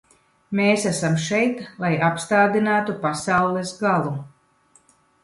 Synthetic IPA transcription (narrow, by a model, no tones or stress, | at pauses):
meːsæsamʃɛjt̪lˠajapst̪aːd̪inaːt̪upasawlˠɛsɡalˠu